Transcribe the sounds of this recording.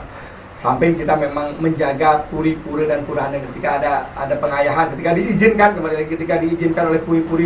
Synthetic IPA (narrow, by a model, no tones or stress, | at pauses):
sampajŋkit̪amemaŋməɲd͡ʒaɡapuɾipuɾədanpuɾaandakət̪ikaːdaa̰dapəŋajaɦankət̪ikadiːd͡ʒɪnkankəmaliikət̪ikadiːd͡ʒɪnkanolɛhpuɾipuɾi